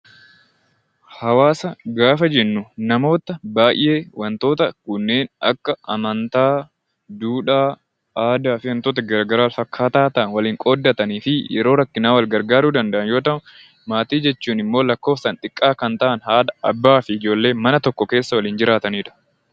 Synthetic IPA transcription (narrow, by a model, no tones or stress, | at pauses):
hɐwaːsɐɡaːfɐd͡ʒɛnːʊnɐmo̞ːt̪ɐbaːʔj̰ʔe̞ːwɐnt̪o̞ːt̪ɐkʊnːe̞ːnɐ̰kːɐʔɐmɐnt̪aː | d̪uːᶑaː | ʔaːd̪aːfɪwɐnt̪o̞ːt̪ɐɡɐɾɡɐɾaːlfɐkʰːaːt̪aːt̪ɐnwɐliːŋkʼo̞ːd̪ːɐt̪ɐniːfɪjɛ̰ɾo̞ːɾɐkːɪnaːwɐlɡɐɾɡaːɾuːd̪ɐnd̪ɐʔɐnjoːt̪ɐʔʊ | maːt̪iːd͡ʒɛt͡ʃːuːnɪmːo̞ːlɐkːo̞ːfsɐnt̪ʼɪkʼːaːkɐnt̪ɐʔɐnhaːd̪ɐɐbːaːfɪɪd͡ʒo̞ːlːe̞ːmɐnɐt̪ɔkːɔke̞ːsːɐwɐliːnd͡ʒɪɾaːt̪ɐniːᶑɐ̥